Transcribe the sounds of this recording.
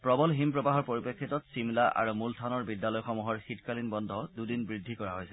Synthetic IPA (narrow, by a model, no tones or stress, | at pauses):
pɹɔbɔlɦimpɹɔbaɦɔɹpoɹipekʰːitɔtsimlaʔa̰ɹumultʰanɔɹbidːalɔjxɔmuɦɔɹxitkalinbɔndʱɔdudinbɹidʱːikɔɹaɦojsɛ